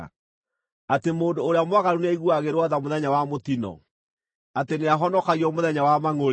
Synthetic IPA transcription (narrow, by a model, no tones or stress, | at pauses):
atemoːndoːɾeamwaɣaɾuneaiɣuaɣeɾwaðamoðɛɲawamot̪inɔ̰ | ateneaɦɔnɔkaɣiɔmoðɛɲawamaŋo